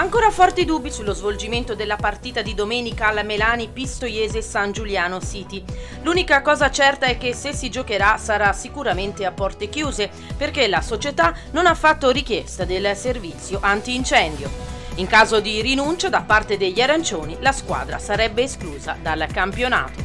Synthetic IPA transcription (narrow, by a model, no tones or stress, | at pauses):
aŋkoːɾafɔrt̪id̪ubːisulːozvold͡ʒiment̪od̪elːapart̪iːt̪ad̪id̪omɛːnikaːlmelaːnipist̪ojɛːzesand͡ʒuljaːnosiːt̪i | luːnikakɔːzat͡ʃɛrt̪aɛk̟ːesesːid͡ʒokeɾasaɾasikuɾament̪eapːɔrt̪ek̟juːze | perk̟elasot͡ʃet̪anonafːat̪ːoɾik̟jɛst̪ad̪elservit̪sːjoʔant̪iːnt͡ʃɛnd̪joiŋkaːzod̪irinunt͡ʃod̪apːart̪ed̪eʎːiaɾant͡ʃoːnilaskwa̰ːd̪ɾa̰saɾɛbːeːskluːza̰d̪alkampjona̰ːt̪o̥